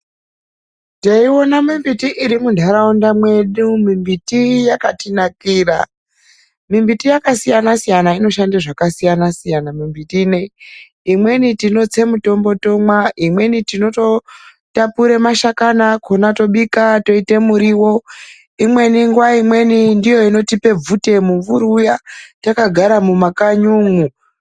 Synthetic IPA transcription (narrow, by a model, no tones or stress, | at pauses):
teiwo̞namimbitiʔiɾimundʱaɾaundamwe̞ɗumimbitijakatinakiːɾa̰ | mimbitijakasijanasijanaino̞ʃandaʐakasijanasijanamimbitine | imwe̞nitino̞t͡se̞muto̞mbo̞to̞mwaimwe̞nitino̞to̞ | tapuɾe̞maʃakanakonato̞ɓikato̞ite̞muɾiwo̞ | imwe̞niŋɡwaimwe̞nindijoino̞tipe̞b͡vute̞muuɾujatakaɡʱaɾamumakaɲuːŋu